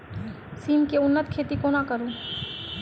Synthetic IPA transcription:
siːmkeʊnːət̪kʰeːt̪ikonakəɾuː

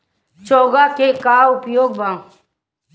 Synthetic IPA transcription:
t͡ʃoːɡaːkeːkaːʊpjoːɡbãː

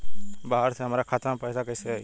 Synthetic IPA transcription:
baːɦəɾseɦɐmaːɾakʰaːt̪napɛːsakɐːseaː

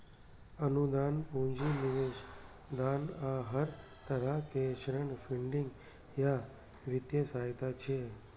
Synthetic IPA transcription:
ənud̪aːnpũɲd͡ʑiniʋeʃ | d̪aːnaɦəɾ | t̪əɾakeʃɾəɳfʰiɳɖiŋɡ | ja | ʋit̪jəsajt̪at͡ʃʰe

